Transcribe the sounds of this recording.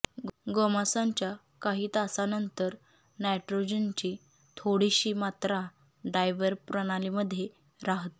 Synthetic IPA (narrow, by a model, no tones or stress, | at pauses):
ɡomasãɲt͡ɕja | kaɦiːt̪asanənt̪əɾ | najʈɾod͡ʑənt͡ɕiː | t̪ʰoɽiɕiːmat̪ɾa | ɖajʋəɾpɾəɽ̃aliməd̪ʱːje | ɾaɦt̪